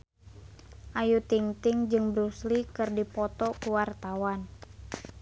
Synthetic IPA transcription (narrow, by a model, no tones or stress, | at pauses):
ʔajut̪iŋt̪ɪŋd͡ʒɨŋbɾuslikɨrdipɔt̪ɔkuwart̪awan